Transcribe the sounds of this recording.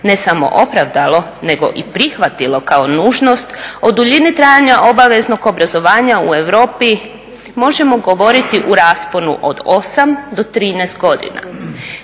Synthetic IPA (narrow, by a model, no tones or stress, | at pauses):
ne̞samo̞̰ʔo̞pɾaʋd̪alˠo̞ne̞ɡo̞̰ʔipɾixʋat̪ilo̞kao̞nuːʒno̞st̪o̞d̪uʎinit̪ɾaːjaɲaʔo̞baʋe̞zno̞ɡo̞bɾazo̞ʋaːɲaue̞ʋɾo̞ːpi | mo̞ʒe̞mo̞ɡo̞ʋo̞ɾit̪iʔuɾaːspo̞nṵʔo̞̰d̪o̞samd̪o̞t̪ɾiːnɛːst̪ɡo̞d̪ḭna̰